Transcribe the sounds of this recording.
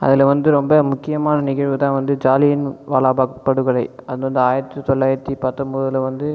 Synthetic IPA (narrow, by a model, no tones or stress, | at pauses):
ɐ̰ðɪlʋɐnd̪ɯɾɔmbɐmʊkːɪjɐmaːnɐnɪɣɐɻʋɯt̪ãːʋɐnd̪ɯd͡ʒaːlɪjɪnʋaːlaːbaːkpːɐɽɯɣɐɭɐɪɐðɐnɐnd̪ɯaːjɪɾɐt̪ːɯt̪ɔɭːaːjɪɾɐt̪ːipɐt̪ːɔmboːðɪlɐʋɐnd̪ɯ